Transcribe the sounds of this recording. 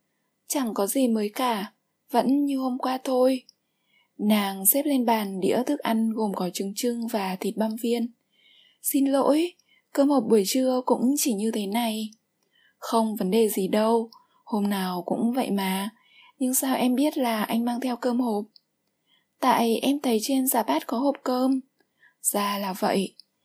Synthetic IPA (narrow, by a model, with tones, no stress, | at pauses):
t͡ɕa˧˩ŋkɔ˨˦zi˨˩məː˨˦jkaː˧˩ | və̰˧˥nɲɨ˧ho˧mkwaː˧t̪ʰo˧j | naː˨˩ŋsɛ˦˥p̚le˧nɓaː˨˩nɗḭ˧˥ət̪ʰɨ˦˥k̚ʔa˧jŋ̟ɣo˨˩mkɔ˨˦t͡ɕɨ˨˧˦əŋt͡ɕɨ˧ŋvaː˨˩t̪ʰi˨˩t̚ɓa˧nvi˧ən | si˧nlo̰˧˥j | kəː˧mho˨˩p̚ɓu˧˩əjt͡ɕɨ˧əkʊ̰˧˥ŋ͡mt͡ɕi˧˩ɲɨ˧t̪ʰe˨˦na˨˩j | xə˧wŋ͡mvə˨˦nɗe˨˩zi˨˩ɗə˧w | ho˧mnaː˨˩wkʊ̰˧˥ŋ͡mvə̰˧˨jmaː˨˩ | ɲɨ˧ŋsaː˧wʔɛ˧mɓi˦˥ət̚laː˨˩ʔa˧jŋ̟maː˧ŋt̪ʰɛ˧wkəː˧mho˨˩p̚ | t̪a̰ː˧˨jʔɛ˧mt̪ʰə˨˦jt͡ɕe˧nzaː˨˧˩ɓaː˦˥t̚kɔ˨˦ho˨˩p̚kəː˧m | z̥aː˧˩laː˨˩və̰˧˨jʔ